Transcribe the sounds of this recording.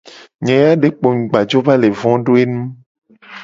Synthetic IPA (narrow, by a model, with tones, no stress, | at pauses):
ɲɛ̃˨ja˦ɖe˨k͡po˨ŋ̩˨ɡ͡ba˨d͡ʒo˦va˦le˨vɔ̃˦ɖo˦e˦nũ˦